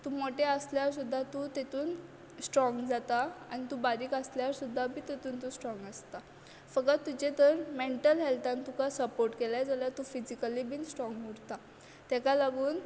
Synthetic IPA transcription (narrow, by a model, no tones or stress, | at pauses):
t̪uːmoʈeəsljaɾsud̪ʱːat̪ut̪et̪uːn | sʈɾɔ̃ŋɡd͡zat̪aañit̪ubaɾiːkəsljaɾsud̪ʱːabiːt̪et̪uːnt̪uːsʈɾɔ̃ŋɡəst̪a | fəkat̪ːud͡ʑet̪əɾmeɳʈəlɦɛlt̪ãnt̪ukasəpoɾʈkelajd͡zaljat̪ufid͡ʑikəlibiːnsʈɾɔ̃ŋɡɦuɽt̪a | t̪ɛkalaɡuːn